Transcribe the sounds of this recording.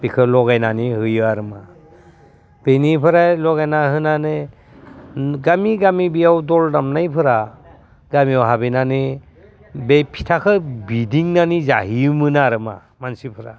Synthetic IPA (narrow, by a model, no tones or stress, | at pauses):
b̥ikʰɯlɔɡajnanihɯjɯaɾɯma | b̥enipʰɯɾajlɔɡajnahɯnanɯ | ɡamiɡamibijawdɔldamnajpʰɯɾa | ɡamiawɦabenanɯ | bejpʰi̥tʰakʰɯbidiŋnanizaɦimɯnaɾɯma | mansipʰɯɾa